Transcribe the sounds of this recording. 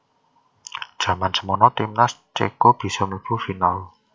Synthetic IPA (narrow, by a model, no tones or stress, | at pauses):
d̥ʒ̥ä̤mansəmɔnɔt̪imnast͡ʃḛkob̥i̤sɔmib̥ufinal